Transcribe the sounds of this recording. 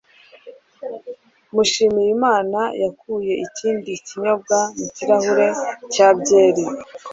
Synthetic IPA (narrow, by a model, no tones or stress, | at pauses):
muʃiːmijimaːnajakuːje̞ʔiciːndiciɲo̞b̚ɡamuciɾahuɾe̞caːbɟe̞ːɾi